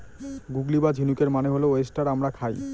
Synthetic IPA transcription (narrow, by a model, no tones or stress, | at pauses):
ɡuɡlibad͡ʑʱinukeɾmaneɦolooesʈaɾamɾakʰaj